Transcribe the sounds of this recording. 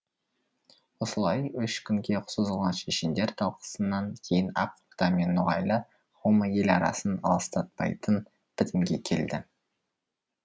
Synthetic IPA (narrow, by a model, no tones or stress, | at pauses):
wo̞səlˠɑjʏʃkʲʰʏŋɡʲe̞qʰʊ̥səzəlˠʁɑnʃeʃɪnd̪e̞ɾt̪ʰɑlˠqə̥sənːɑŋkʲʰe̞jɪnɑpuɾt̪ɑmenːʊʁɑ̰jlˠə | χoməje̞lɑ̰ɾɑ̰sənɑ̰lˠəst̪ɑt̪̚pɑ̰jt̪ən | b̥ɪt̪ɪmɡʲe̞kʲʰe̞̰ld̪ɪ